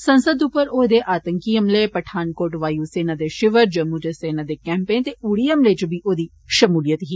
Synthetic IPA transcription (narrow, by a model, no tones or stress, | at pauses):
sənsəd̪upəɾoːd̪eːʔaːt̪əŋkiɦəmleːpəʈʰaːnkoːʈʋaːjuːseːnaːd̪eʃɪʋəɾd͡ʒəmːud͡ʒeseːnaːd̪eːkɛ̃ːmpeːnt̪euːɽiəmleːt͡ʃbiːʔoːd̪iː | ʃəmuːlɪjət̪ɦiː